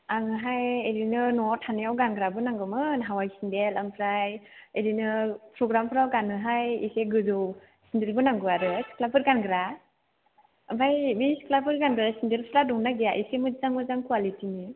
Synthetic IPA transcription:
aŋɯɦajeɾinɯnɔtʰanijawɡanɡɾabɯnaŋɡɯmɯnɦawajsindelampʰɾajeɾinɯpʰɾɔɡɾampʰɯɾawɡanɯɦajḭseɡɯzow | sindelbɯnaŋɡɯaɾɯsklabɯɾɡanɡɾa | bajbisklabɯɾɡanɡɯɾasindelpʰɯɾadɔŋnaɡijaʔisemɯzaŋmɯzaŋkuwalitini

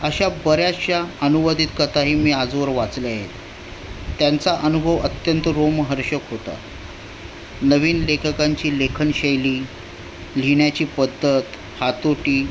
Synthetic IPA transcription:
əɕabəɾjaɕjaənuʋəd̪ʱiːt̪kət̪aɦiːmiːad͡zʋəɾʋat͡sleaɦḛt̪ː | jant͡saʔənubʱəʋət̪jənt̪əɾomɦəɾɕəkɦot̪a̰ | nəʋiːnlekʰəkãɲt͡ɕiːlekʰənɕejliː | l̤iɳjat͡ɕiːpəd̪ʱːət̪ | hat̪oʈiː

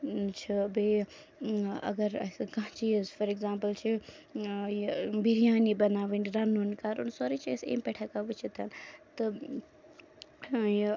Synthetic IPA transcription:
t͡ʃʰibe | ɐ̰ɡɐɾɐ̰sɡãɦt͡ʃizfɐɾeɡzãːmpəlt͡ʃʰi | jbʱiɾijaːnibɐnaːʋiniɾɐnunkaːɾunsoːɾit͡ʃʰesḛːmpɛʈʰakaʋut͡ʃʰit̪ɐnt̪ɨ | j

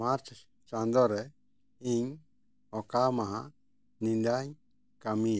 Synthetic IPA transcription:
maɾt͡ʃa | t͡ʃand̪oɾe | iɲ | okamãɦa | nĩnd̪aɲ | kamia

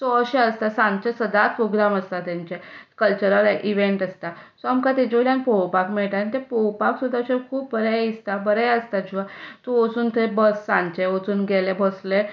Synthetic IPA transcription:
sɔəɕɛəst̪asãnt͡ɕesəd̪at̪̚pɾoɡɾaməst̪at̪ãɲt͡ɕekəlt͡ɕəɾəlʔiʋẽɳʈəst̪asɔamkat̪ed͡ʑoljãnpɔwpakmɛɭʈanit̪epɔwpaksud̪ʱaɕekʰuːpbəɾɛist̪abəɾɛjəst̪ad͡ʑiʋ̤at̪oət͡suːnt̪ʰebəsːãnt͡ɕeət͡suːnɡɛlebəsle

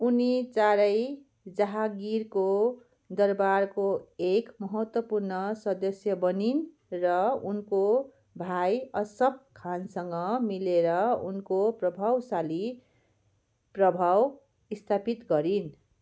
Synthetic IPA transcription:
unit͡saɾʌj | d͡zaɦaɡiɾko | d̪ʌrbarkoekmʌɦʌt̪wʌpurnʌsʌd̪ʌsjʌbʌnin | rʌunko | bʱajʌsʌb̚kʰansʌŋɡʌmileɾʌunkoprʌbʱawsali | prʌbʱaw | ist̪ʰapit̪ɡʌɾin

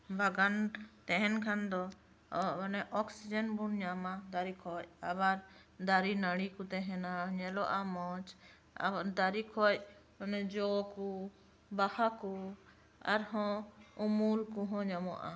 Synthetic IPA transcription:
bʱaɡant̪ɛɦɛnkʰand̪ɔ | nɛʔɔksid͡ʒənbunɲamad̪aɾikʰɔcabaɾ | d̪aɾinaɽikut̪ɛɦɛnaɲɛlɔʔamɔt͡ʃ | d̪aɾikʰɔc | ɔnɛd͡ʒɔku | bahaku | a̰ɾɦɔ̃umulkuɦɔ̃ɲamɔ̰ʔa̰

